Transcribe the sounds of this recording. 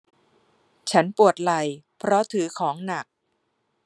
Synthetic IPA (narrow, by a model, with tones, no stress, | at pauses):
t͡ɕʰa˦˥npu˨˩ət̪̚la˨˩jpʰɾɔ˦˥t̪ʰɯː˩˦kʰɔː˩˦ŋna˨˩k̚